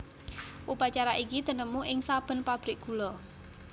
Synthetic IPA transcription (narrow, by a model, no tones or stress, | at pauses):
ʔupat͡ʃaɾaʔikid̪̥ə̤nəmuʔɪŋsab̥ə̤npab̥ɾɪk̚ɡ̥ṳlɔ